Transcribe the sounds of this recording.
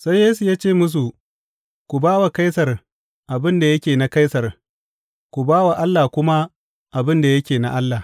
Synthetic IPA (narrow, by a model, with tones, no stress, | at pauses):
sa˦jːeː˦su˨jaː˦t͡ʃeː˦˨mʊ˦s̬u˨ | kʷu˨baː˦wa˨ka˦jsɐ˨r | ʔa˨bɪ˦nda˨jɐ˦kʲeː˨na˦ka˦jsɐ˨r | kʷu˨baː˦wa˨ʔa˦lːaː˨kʷʊ˦ma˦ | ʔa˨bɪ˦nda˨jɐ˦kʲeː˨na̰˦˨ʔa˦lːaː˨